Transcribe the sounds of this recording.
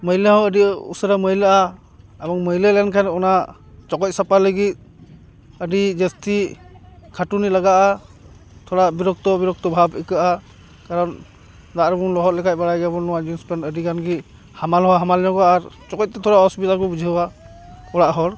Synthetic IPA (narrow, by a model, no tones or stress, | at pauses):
məjləɦɔ̃ədiṵsəɾaməɦjləa | abɔŋməɦjləlankʰanɔna | t͡ʃɔkɔc̚sapaləɡit̪̚ | əɖid͡ʒəst̪i | kʰaʈunilaɡaʔa | t̪ʰɔɾabiɾɔk̚t̪ɔbiɾɔk̚t̪ɔbʱabikɯʔa | kaɾɔn | d̪aʔɾɔbunlɔɦɔt̪̚lɛkʰac̚baɽajɡɛbɔnɔwad͡ʒunspanədikanɡi | hamalɦɔwaɦamalɛnɔɡɔaɾt͡ʃɔkɔc̚t̪ɛt̪ʰɔɾaɔsupit̪akɔbud͡ʒʱiɦwa | ɔɽaʔɦɔɾ